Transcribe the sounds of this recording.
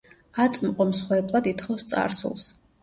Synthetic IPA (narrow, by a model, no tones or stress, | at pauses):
at̪sʼmqʼɔmsχwɛɾpʼlˠad̪it̪χɔfst̪sʼa̰ɾsṵlˠs